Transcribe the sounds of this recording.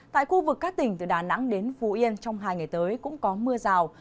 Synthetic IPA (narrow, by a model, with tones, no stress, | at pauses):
t̪a̰ː˧˨jxu˧vɨ˨˩kːaː˦˥k̚t̪ï˨˩ŋ̟t̪ɨː˨˩ɗaː˨˩na̰˧˥ŋɗe˨˦nfu˨˩ʔi˧ənt͡ɕɔ˧wŋ͡mɦaː˧jŋa˨˩jt̪əː˨˦jkʊ̰˧˥ŋ͡mkɔ˨˦mɨ˧əzaː˨˩w